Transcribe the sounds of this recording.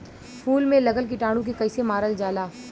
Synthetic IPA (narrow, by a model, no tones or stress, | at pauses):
pʰuːlmẽlɐɡəlk̬iʈaːɽ̃ũk̬ikɐɪsemaːɾəld͡ʒaːlaː